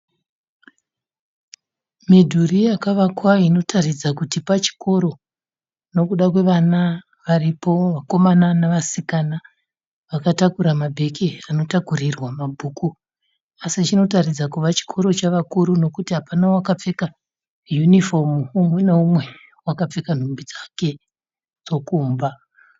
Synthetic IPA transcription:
midʱurijakaʋakwaino̞tʰarid͡zakutipat͡ʃi̥kʰo̞ɾo̞ | no̞kuɗakwe̞ʋana | ʋaripo̞ʋako̞mananaʋasikana | ʋakatakuɾamabʱe̞kʰiano̞takurirwamabʱuːku | asit͡ʃino̞tarid͡zakuʋat͡ʃi̥kʰo̞ɾo̞t͡ʃaʋakuɾuno̞kutiɦapanawakap͡fe̞ka | junifo̞mumweneumwe̞ | wakap͡fe̞kan̤ombid͡zake̞ | d͡zo̞kuːmba

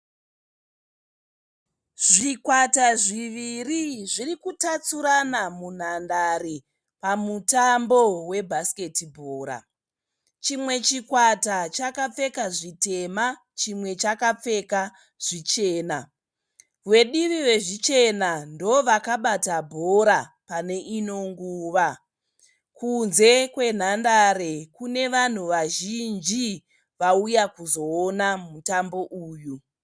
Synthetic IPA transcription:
ʐ̥ikwataʐiʋiriʐirikutat͡suɾanamun̤andaɾi | pamutambo̞we̞bʱaske̞tibʱoːɾa̰ | t͡ʃimwe̞t͡ʃikwatat͡ʃakap͡fe̞kaʐite̞ma | t͡ʃimwe̞t͡ʃakap͡fe̞ka | ʐ̥it͡ʃe̞ːna | we̞ɗiʋiʋe̞ʐit͡ʃe̞nandoʋakaɓatabʱo̞ɾa | pane̞ʔino̞ŋɡuːʋa | kunze̞kwe̞n̤andaɾekune̞ʋan̤uʋaʒind͡ʒi | ʋaujakuzo̞ːnamutambo̞ʔuːju

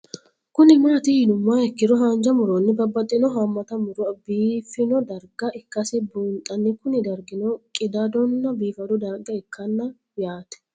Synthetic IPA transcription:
kʊnɪmaːt̪ɪhɪnʊmːahɛkːɪɾɔɦaːnd͡ʒɐmʊɾonːɪbɐbːɐt̪ʼːɪnɔɦɐmːɐt̪ɐmʊɾʊɐbiːfɪnɔd̪ɐɾɡɐʔɪkːɐsɪbuːnt̪ʼːɐnːɪkʊnɪd̪ɐɾɡɪnɔkʼɪd̪ad̪ɔnːɐbiːfɐd̪ɔd̪ɐɾɡɐɪkːɐnːɐ | jaːt̪ɛ̥

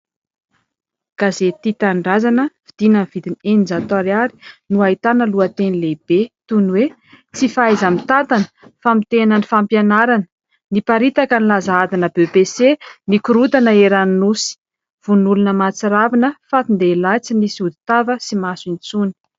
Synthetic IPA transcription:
kazet̪it̪aɳɖ͡ʐazanəv̥id̪̥inənv̥id̪inenind͡zat̪aɾaɾi̥nuaɦit̪anəluat̪enileb̥et̪unwe | t͡sifaazamit̪at̪anə̥famit̪enənifampjanaɾanə̥ | nipaɾit̪akənilazaad̪inəbebesenikuɾut̪anəeɾaninusi̥ | v̥unulunəmat͡siɾavinəfat̪ind̪elat͡sinisiud̪i̥t̪avəsimasint͡suni̥

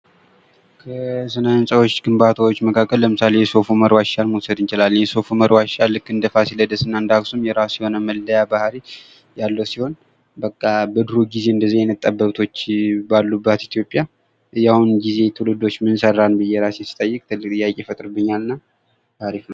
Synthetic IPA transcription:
kʰəsɨnənsʼəwo̞t͡ʃːɡɨmbat̪ʰəwot͡ʃːməkʰakʼːəlːəmɨsalejɛso̞fuməɾwaʃalmosəd̪ɨnt͡ʃɪlalːɨnjɛso̞fuməɾwaʃalːɨkʼːɨnd̪əfasiləd̪əsɨnːand̪aksumjɛɾasiho̞nəməldəjabahɾi | jalːəsiho̞n | bəkʼːabəd̪ɨɾuɡize̞ɨnd̪əzijɛnət̪ʼːəbːəβt̪ʰo̞t͡ʃːbalːubːət̪it̪ʰijo̞pʼːja | jahunɡize̞t̪ʰɨlɨd̪o̞t͡ʃːmɨnsərːanbɨjɛɾasjɛsɨ̥t̪ʼəjːɨkʼt̪ʰɨlːɨkt̪ʼɨjakʼefət̪ʼɾɨbɨɲːalɨnːa | t̪ʰaɾifnə

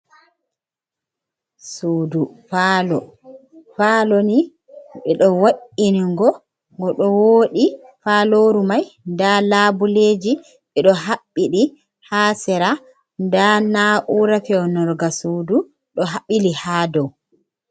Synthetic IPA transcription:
suːdufalɔ | faloni | ɓɛɗɔwaʔːiniŋɡɔ | ŋɡɔɗɔwoːɗi | faloɾumajndalaːbuled͡ʒi | ɓɛɗɔɦaɓːiɗi | haːsɛɾa | ndanaʔuɾafɛɔnɔɾɡasuːdu | ɗɔɦaɓilihaːdɔw

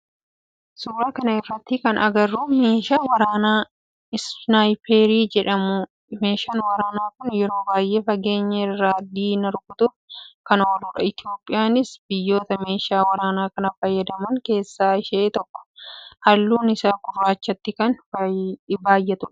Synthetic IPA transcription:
suːɾaːkɐnɐɛfɐt̪ːikɐnɐɡɐrːuːme̞ːʃaːwɐɾaːnaː | ɪsnajpeːɾiːd͡ʒɛᶑɐmʊ | meːʃɐnwɐɾaːnaːkʊnjɛɾo̞ːbaːjʔeːfɐɡe̞ːɲːɐɪrːaːd̪iːnɐɾʊkʊt̪ʊfkɐnwɐluːᶑɐ̰ɪt̪ɪo̞ːpʼːɪjaːnɪsbɪjːo̞ːt̪ɐme̞ːʃaːwɐɾaːnaːkɐnɐfɐjːɐd̪ɐmɐŋke̞ːsːaːɪʃeːt̪ɔkːɔ̥hɐlːuːnɪsaːkʊrːaːt͡ʃːɐt̪ːɪkɐn | baːjːɛt̪ʊᶑ

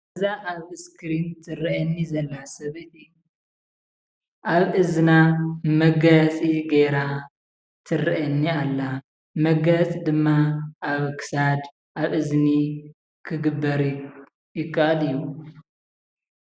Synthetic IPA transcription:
zaʔaβɨskʰɾint̪ʰɨɾɐʔɐnːizɐlːasɐβɨt̪ʼɨju | ʔaβɨznamɐɡɐt͡sʼiɡeɾa | t̪ʰɨriʔɐnːialːa | mɐɡɐt͡sʼid̪ɨmːaʔaβkʰɨ̥sad̪ | ʔaβʔɨzni | kʰɨɡɨbːɐɾ | jɪkʼːɐʔʼɐlɨjːu

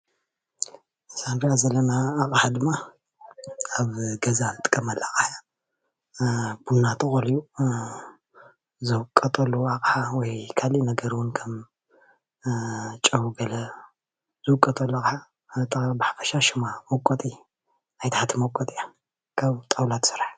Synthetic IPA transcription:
sandijazɐlɐnaːkʼħad̪ɨmːa | aβɡɐzanɨt̪ʼɨ̥kʼːɐmɐlːakʼħja | bunːat̪ʰɨxʼoliju | zɨwkʼɐt̪ʼolːuakʼħawɔjkʰalinɐɡɐɾiwʊnkʰɐm | t͡ʃʼɐwuɡɐlɐ | z̥ɨwʊkʼɐt̪ʼolːokʼɨħa | t̪ʰʼɐbaħafɐʃaʃɨmamɐkʼːot̪ʼi | najt̪ʰaħat̪ʰɨmɐkʼot̪ʼija | kʰaβt̪ʼɐwlat̪ʰsɨɾaħ

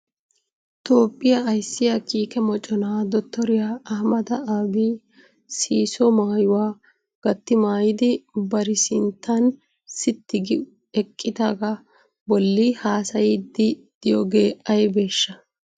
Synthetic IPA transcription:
t̪o̞ːpʼːɪjɐɐjsːɪjɐkiːkɛmɔt͡ʃʼɔnaːd̪ɔt̪ːɔɾɪjaːɐhmɐd̪ɐaːbi | siːsɔmaːjʊwaː | ɡ̥ɐt̪ːɪmaːjɪd̪ɪbɐɾɪsɪnt̪ːɐn | sɪt̪ːɪɡɪ | ɛkʼːɪd̪aːɡɐ | bɔlːɪhaːsɐjɪd̪ːɪd̪̥ɪjɔɡe̞ːʔɐjbe̞ːʃːɐ

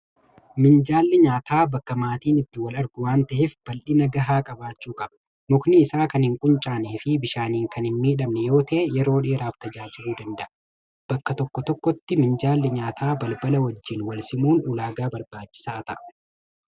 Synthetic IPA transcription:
mɪnd͡ʒaːlːɪɲaːt̪aːbɐkːɐmaːt̪iːnɪt̪ːɪwɐlɐɾɡʊwaːnt̪ɐʔefb̥ɐlʔɪnɐɡɐɦaːkʼɐbaːt͡ʃːuːkʼɐb̥ɐ̥ | mʊknɪːsaːkɐnhɪŋkʼʊnt͡ʃʼaːneːfɪbɪʃaːniːŋkɐnɪnmiːᶑɐmnɛjo̞ːt̪ɐːjɛɾo̞ːᶑeːɾaːft̪ɐd͡ʒaːd͡ʒɪɾuːd̪ɐnd̪ɐʔɐ | b̥ɐkːɐt̪ɔkːɔt̪ɔkːɔt̪ːɪmɪnd͡ʒaːlːɪɲaːt̪ʰaːbɐlbɐlɐwɐd͡ʒːɪnwɐlsɪmuːnʊːlaːɡaːbɐɾbaːt͡ʃːɪ̥saːt̪ɐ̰ʔɐ

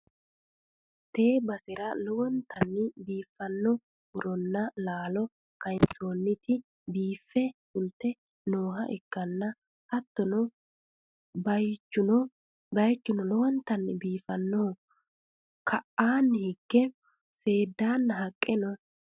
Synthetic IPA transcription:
t̪e̞ːbɐsɪɾɐlɔwɔnt̪ʰɐnːɪbiːfːɐnːɔ | hʊɾɔnːɐlaːlɔ | kɐɪnt͡so̞ːnːɪt̪ɪ | biːfːɛhʊlt̪ːɛ | no̞ːɦɐ̰ʔɛkːɐnːɐ | hɐt̪ːɔnɔ | bɐjt͡ʃːʊnɔ | bɐjt͡ʃːʊnɔlɔwɔnt̪ɐnːɪbiːfɐnːɔhʊ | kʰɐʔaːnːɪhɪɡːɛ | se̞ːd̪aːnːɐɦɐkʼːɛnɔ

